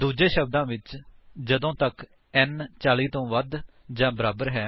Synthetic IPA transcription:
d̪uːd͡ʒeːʃəb̚d̪ãːʋɪt͡ʃd͡ʒəd̪õːt̪ək | ɛnt͡ʃaːliːt̪õːʋəd̪ | d͡ʒãːbəɾaːbəɾɦɛː

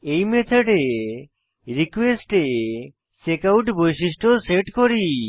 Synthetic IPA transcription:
ejmet̪ʰeɖe | ɾikwesʈe | sekawʈbojsisʈʰoseʈkɔɾi

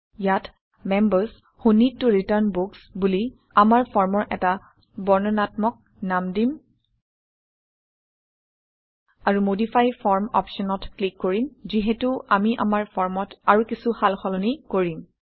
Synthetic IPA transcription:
jat | mɛmbaɹs | xunitːuɹitaɹnboksbuli | amaɹpʰɔɹmɔɹʔɛta | bɔɹnɔnatmɔk̚ | namdim | aɹumodipʰajfʰɔɹmɔ̰pʃɔnɔtklikːoɹimziɦetuamiʔa̰maɹpʰɔɹmɔtaɹukisuhalxɔlɔnikoɹim

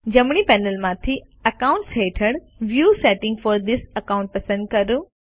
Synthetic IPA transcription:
d͡ʑɐmɽ̃ipɛːnəlmãt̪ʰi | ɐkãːʊ̃ɳʈsɦeːʈʰəɽ̃ | ʋjuːsɛːʈɪ̃ŋɡfɔɾd̪ɪsɐkãʊ̃ɳʈ̚pɐsə̃nd̪̚kɐɾu

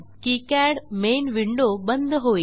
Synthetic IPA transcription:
kikɛɽmenʋiɳɖobənd̪ʱɦoi

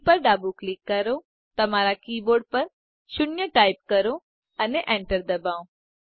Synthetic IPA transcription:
pɐɾɖaːbuklɪkːɐɾo | t̪ɐmaːɾakiːboːɾɖ̚pɐɾ | ʃʊɳjəʈaːɪp̚kɐɾõ | ɐneʔẽːɳʈəɾd̪ɐbaːõ

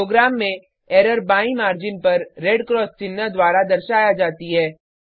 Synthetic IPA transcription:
oːɡɾaːmːẽ | ɛːɾəɾbaːĩmaːɾd͡ʒɪnpɐɾːeːɖkɾɔːst͡ʃɪnːad̪waːɾad̪ɐɾʃaːjad͡ʒaːt̪iɦɛː

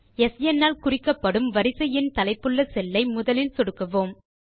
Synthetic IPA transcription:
ɛsjɛnːaːlkʊrɪkːɐpːɐɽɯmʋɐɾɪsɐjɪnt̪ɐlɐɪpːɯɭːɐsɛlːɐɪmʊðɐlɪlsɔɽɯkːɐʋoːm

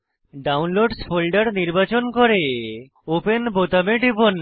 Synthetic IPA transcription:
ɖawnloɖspʰolɖaɾniɾbat͡ɕonkoɾe | openbot̪ameɖipon

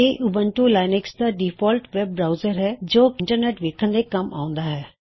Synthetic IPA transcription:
eʔʊbə̃ɳʈulaːɪnɪksd̪aɖiːfʰɔːlʈʋɛb̚bɾaːʊzəɾɦɛːd͡ʒoːkɪ̃ɳʈəɾneːʈʋeːkʰə̃nd̪ekɐma̰ːʊ̃nd̪aːɦɛː

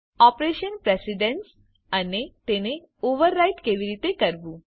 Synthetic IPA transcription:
ɔpɾeɕənpɾesiɖens | ənet̪ene | oʋəɾːajʈkeʋiɾit̪ekəɾʋuː

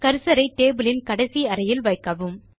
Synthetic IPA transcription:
kɐɾɯsɐɾɐɪʈːeːbɯlɪnkɐɽɐsiɐɾɐjɪlʋɐɪkːɐʋɯm

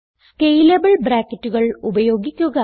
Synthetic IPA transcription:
kejlɐbɐɭbɾaːkːɐtːuɣɐɭubɐjoːɡikʲːuɣɐ

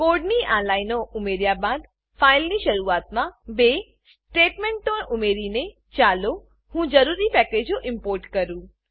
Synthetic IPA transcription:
koɾɖniʔãnlainoʔʊmeɾjabãd̪ | failniʃəɾuaːt̪mãbe | sʈeʈmẽɳʈonʊmeɾine | t͡ʃalo | hũd͡ʒəɾuɾipɛked͡ʒoʔɪ̃mpoːɾʈkəɾũː

